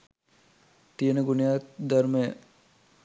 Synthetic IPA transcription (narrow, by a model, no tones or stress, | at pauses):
t̪ijənəɡunəjat̪d̪arməjə